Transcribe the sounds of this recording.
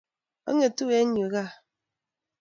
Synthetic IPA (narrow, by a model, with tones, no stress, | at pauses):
ɔ̰˦ŋe˨tu˦we˨˦ɲu˨ɣa˦˨